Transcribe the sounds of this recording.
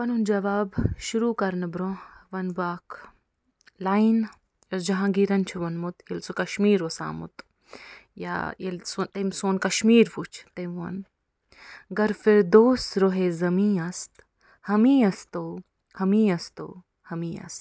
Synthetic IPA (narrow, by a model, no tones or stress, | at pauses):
ʋɐnund͡ʒɐʋaːbʃuɾuːkɐɾnɐbɾõʋɐnbaːkʰ | lajn | jɐd͡ʒɐɦãːɡiɾɐnt͡ʃʰuʋɐnmut̪jelsukɐʃmiːɾʋɐsa̰ːmṵt̪ | ja̰jelsont̪emsoːnkɐʃmiːɾput͡ʃʰt̪emʋɐ̰n | ɡɐɾfeɾd̪oːsɾoɦezɐmĩːɐst̪ | hɐmĩːɐst̪oː | hɐmiːɐst̪o̰ː | hɐmiːɐ̰st̪